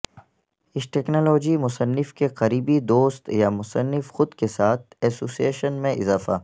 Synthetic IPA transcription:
ɪsʈeːknoːloːd͡ʒimʊsənːɪfkeqɐɾiːbid̪oːst̪jamʊsənːɪfxʊd̪kesaːt̪̚ʰɛːsoːsieːʃənmẽɪzaːfaː

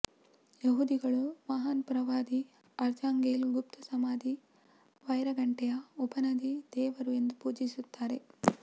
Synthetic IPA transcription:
jɐɦud̪iɡɐɭumɐɦaːnpɾɐʋaːd̪i | ɐɾd͡ʒaːŋɡeːlɡup̚t̪ʰusɐmaːd̪i | ʋɐjɾɐɡɐɳʈɛjɐupɐnɐd̪id̪̥ɛːʋɐɾue̞nd̪upuːd͡ʒisut̪ːaːɾe̞

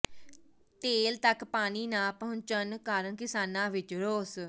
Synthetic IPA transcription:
t̪eːlt̪əkpaːniːnãːpəɦʊnt͡ʃənkaːɾəɳkɪsaːnãːʋɪt͡ʃɾoːs

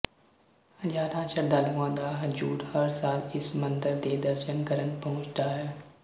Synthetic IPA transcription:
hɐd͡ʒaːɾãːt͡ʃɐɾd̪aːluãd̪aːɦɐd͡ʒuːɾhɐɾsaːlɪsmɐ̃nd̪əɾd̪ed̪ɐɾʃənkɐɾənpɐɦʊ̃t͡ʃt̪aːɦɛː

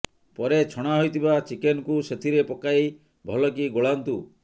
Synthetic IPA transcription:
pɔɾet͡ʃʰɔɽ̃aɦojt̪ʰibat͡ʃikenɔkuset̪ʰiɾepɔkaj | bʱɔlɔkiɡoɭant̪u

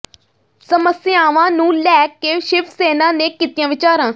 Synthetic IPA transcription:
səməsɪaːʋãːnũːlɛːkːeːʃɪpʰseːnãːnẽːkiːt̪ijãːʋɪt͡ʃaːɾãː

